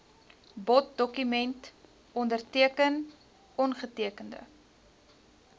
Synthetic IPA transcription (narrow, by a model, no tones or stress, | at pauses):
bɔt̚dɔkymɛnt | ɔndərtiəkən | ɔnχətiəkəndə̰